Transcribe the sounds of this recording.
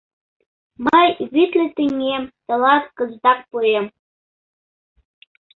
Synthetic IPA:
məjβit̪lʲet̪inʲemt̪ɤ̆lˠɑt̪kɤ̆zd̪ɑk̚pujem

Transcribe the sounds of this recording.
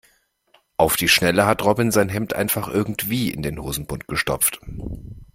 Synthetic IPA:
ʔaʊfd̥iːʃnɛləɦatʁɔbɪnzaɪnɦɛmtʔa̰ɪnfaχʔɪɐɡŋ̩tv̥iːɪ̰ndeːnhoːzn̩bʊnt̚ɡ̥əʃtɔ̰p͡ft

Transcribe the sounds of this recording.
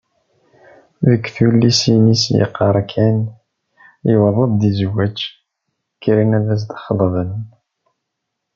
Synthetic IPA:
ðəkːθulːisinisjə̰qːɑɾˤkʰæn | iwəðˤəðˤd̪izwæt͡ʃː | kːɾinæðæs̬d̪ɑ̥χəðˤvən

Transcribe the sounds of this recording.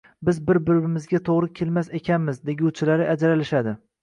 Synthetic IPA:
bɪzbɪɾbɪɾɪmɪzɡʲat̪ʰoʁɾɪkʲʰelmasekʲʰanmɪzd̪eɡʲut͡ʃʰɪlaɾɪʔad͡ʒɾalɪʃad̪ɪ

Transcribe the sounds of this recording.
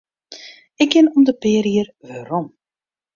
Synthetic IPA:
ɪkɪnɔmdəpɪːɾiərʋaɾɔm

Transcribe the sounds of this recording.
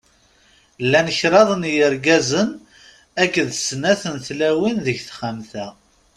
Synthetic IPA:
lːænəçɾɑðˤnjəɾɡæzən | ækːəðsnæθənθlæwinðəʝθχamθæ

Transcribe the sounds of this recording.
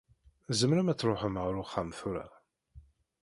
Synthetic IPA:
zəmɾæmæt͡sːɾoħəmʁɾʊχːamθuɾa̰

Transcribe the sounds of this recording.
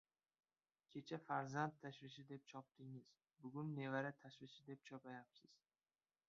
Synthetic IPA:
kʲʰe̞t͡ʃʰafaɾzant̪ʰːaʃvɪʃ̬ɪd̪e̞p̚t͡ʃʰɒp̚t̪ɪŋɪz̥ | bʊɡʊnːe̞vaɾat̪ʰaʃvɪʃɪd̪e̞p̚t͡ʃʰɒpajapsɪz̥

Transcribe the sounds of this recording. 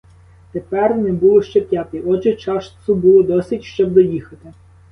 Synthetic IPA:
t̪epɛrnɛbulˠɔʃt͡ʃɛpʲjɑt̪ejɔt͡ʃɪt͡ʃɑʃsʊbulˠɔd̪ɔsʲitʲʃt͡ʃɔb̚d̪ɔjixɐt̪ɪ

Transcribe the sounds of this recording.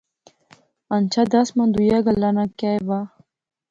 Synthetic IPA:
ant͡ʃʰad̪asmand̪ujaɡalːanakajva

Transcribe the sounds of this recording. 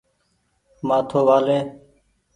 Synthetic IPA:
maːt̪ʰoːʋaːleː

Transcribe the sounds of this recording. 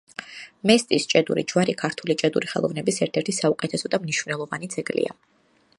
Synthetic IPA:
mɛst̪ʼist͡ʃʼɛd̪ṵɾid͡ʒwaɾikʰaɾt̪ʰulit͡ʃʼɛd̪uɾiχɛ̰lˠɔ̰vnɛbisɛɾt̪ʰɛɾt̪ʰisaukʼɛt̪ʰɛsɔd̪amniʃvnɛlˠɔvanid̪z̥ɛɡlḭa̰

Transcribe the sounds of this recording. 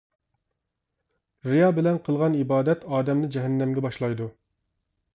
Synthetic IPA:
ɾijɑbɪlɛnqʰəlˠʁɑnibɑːd̪ɛt̪ɑːd̪ɛmnɪd͡ʒɛɦɛnːɛmɡʲɛbɑʃlˠɑjd̪u

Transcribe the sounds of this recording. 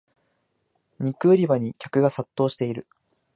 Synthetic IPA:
ɲ̟ikɯ̟ːɾʲibaɲ̟ikʲakɯ̟ɡasat̪ːo̞ːɕi̥t̪e̞iɾɯ̟

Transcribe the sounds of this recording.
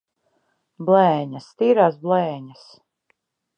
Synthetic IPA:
blˠɛːɲast̪iːɾaːsblˠɛːɲas

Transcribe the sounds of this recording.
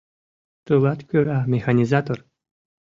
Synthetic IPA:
t̪ulˠat̪kʲyɾamʲexanʲizat̪or

